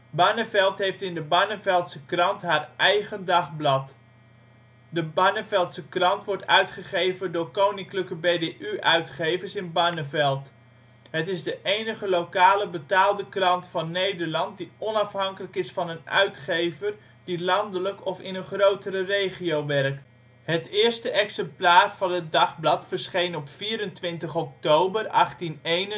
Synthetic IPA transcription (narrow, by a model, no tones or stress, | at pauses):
banəvɛlˠtɦejftɪndəbanəvɛlˠtsəkrɑntɦaːrʔɛjχəndɑχblɑt | dəbanəvɛlˠtsəkrɑntʋɔɹtœ̰ɥtχəχejvəndʊːɹkownɪŋkləkəbejdeʔyʔœɥtχejvəɹsɪnbanəvɛlˠt | ɦətɪzdəʔejnəχəlowkaːləbətaːlˠdəkrɑntfɑnːejdəɹlɑnt̚diʔɔnɑfɦɑŋkələkɪsfɑnənœ̰ɥtχejvər | dilɑndələkɔfɪnənχrowtəɾərejχiowʋɛrk̚t | ɦətɪːɹstəʔɛksɛmplaːrvɑnɦət̚dɑχblɑtfəɹsχejnɔpfiːɾəntʋɪntəχɔk̚towbərɑχtinejn